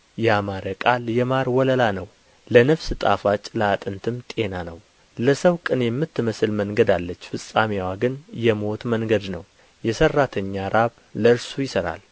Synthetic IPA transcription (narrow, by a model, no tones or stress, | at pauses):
jɛamaɾəkʼaljɛmaɾwɔləlanəw | lənəfsɨt̪ʼa̰fat͡ʃʼləat̪ʼɨnt̪ʰɨmt̪ʼe̞nanəw | ləsəwkʼɨnjɛmːɨt̪ːɨməsɨlməŋɡəd̪alːət͡ʃːfɨsʼamiwaɡɨnjɛmo̞t̪məŋɡəd̪nəw | jɛsərːat̪ʰəɲːaɾaβ | ləɨɾsujɪsəɾa̰l